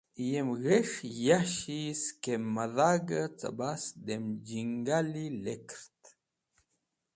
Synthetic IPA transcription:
ijemɣeʂjaʃiskemmːaðaɡət͡sa̰basd̪emd͡ʒiŋɡalilekɾt̪

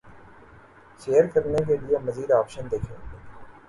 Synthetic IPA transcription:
ʃeːəɾkəɾnek̬eliemɐziːd̪ɔːpʃənd̪eːkʰẽe

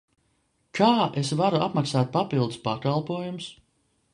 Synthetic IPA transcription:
kʰaːʔesvaɾuapmaksaːt̪̚papilˠd̪uspakalˠpuɔjumʊs

